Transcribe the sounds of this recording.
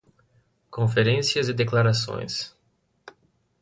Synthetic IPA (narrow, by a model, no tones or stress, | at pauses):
kõfeɾẽsiɐzɪd̪eklaɾasõ̰j̃s